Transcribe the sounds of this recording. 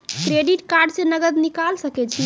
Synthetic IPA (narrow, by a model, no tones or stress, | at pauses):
kɾeɖiʈkaɾɖsẽnəɡəd̪nikalsəkɛt͡ʃʰi